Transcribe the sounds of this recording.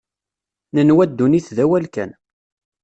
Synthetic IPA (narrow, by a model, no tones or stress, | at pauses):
nənwæd̪ːuniθðæwælkæ̰n